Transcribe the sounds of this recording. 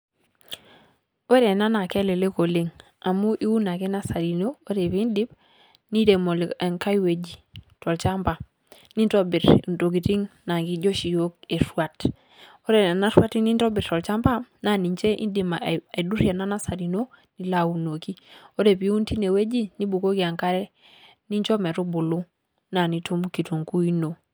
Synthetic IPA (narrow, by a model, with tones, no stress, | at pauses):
e˦ɾe˨na˦na˨ke˦le˨le˦ko˨le˦ŋ | a˨mu˦ʔi˦wu˦na˨ke˦na˦sa˨ɾi˨no˦o˦ɾe˨pi˦ndi˦b | ni˦ɾe˨mo˨lŋka˦i˦we˨d͡ʒi˨tɔ˨lt͡ʃa˦mba˨ | ni˦n˦to˦bi˨ɾnto˨ɡi˨ti˦ŋna˨ŋɡi˦d͡ʒo˦ʃi˨jo˦k̚e˨sua˨t | o˦ɾe˨a˨na˦ɾwa˦ti˦ni˦ntɔ˦bi˨ɾtɔ˨lt͡ʃa˦mba˦na˨ni˨ɲt͡ʃe˦ʔḭ˦ndi˨ma˨a˨i˨du˦ɾja˨na˦na˦sa˨ɾi˨no˦ | ni˨la˨u˨no˨ki˦o˦ɾe˨pi˨˦u˦nti˦ne˨we˦d͡ʒi˦ni˦bu˨ko˦ki˨a˨ŋka˦ɾɛ˦ | ni˦ɲt͡ʃɔ˦mɛ˨ɾu˦bu˨lu˦ | na˨ni˦tu˦mki˨tu˨ŋku˦i˦no˨